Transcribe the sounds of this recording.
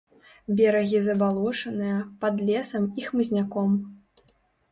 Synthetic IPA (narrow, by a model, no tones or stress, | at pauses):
bʲɛɾɐɣʲizɐbalˠɔʂɐnɨjɐpɐd̪lʲɛsɐmixmɨzʲnʲakɔm